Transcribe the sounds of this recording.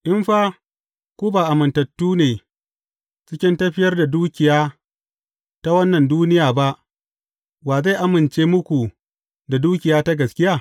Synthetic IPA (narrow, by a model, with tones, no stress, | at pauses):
ʔɪ˦mɸaː˦ | kʷuː˦baː˨ʔa˨mɪ˨ntɐ˨tːuː˦neː˨ | t͡ʃɪ˦kʲɪ˦ntɐ˦ɸɪ˦jɐ˦rda˨duː˦kʲɪ˨jaː˦ | ta˦wɐ˦nːɐ˨nduː˦nɪ˦jaː˨ba˦ʔ | baː˨za˦˨ʔa˦mɪ˨nt͡ʃeː˦mʊ˦kʷu˨ | da˨duː˦kʲɪ˨jaː˦ta˦ɡɐ˨skʲɪ˦jaː˦˨